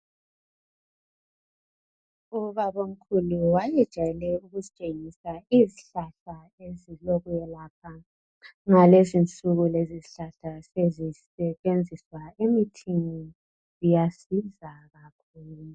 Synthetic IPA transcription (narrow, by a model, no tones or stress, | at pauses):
uβaβom̩kʰuluwajɛd̥ʒ̥ʱajɛlɛuɣuzit͡ʃʼeŋisaiziɬaɬa | eziloɣujɛlaːpʰa | ŋalezint͡sʼuɣuleziziɬaɬasezisɛβend͡zʱiswaemitʰini | zijasizaɣakʰuːlu